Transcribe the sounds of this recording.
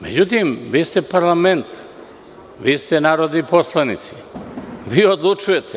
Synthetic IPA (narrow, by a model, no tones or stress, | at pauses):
mḛd͡ʑut̪imʋiːst̪ɛpaɾlˠamɛnt̪ | ʋiːst̪ɛnaːɾod̪niposlˠanit̪si̥ | viːod̪lˠut͡ʃujɛt̪ʰɛ